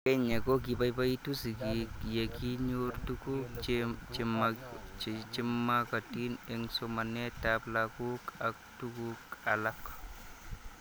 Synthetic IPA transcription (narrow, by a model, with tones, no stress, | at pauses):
kɛ˦ɲe˨ko˦k̬i˨ba˦jba˦i˦tu˦si˨ki˨je˨ki˦ɲoɾtu˦ku˦k | m | t͡ʃi˦mːa˦ka˨ti˦nɛ˨ŋsoma˨ne˦taplaku˦kak̚tukuka˨lak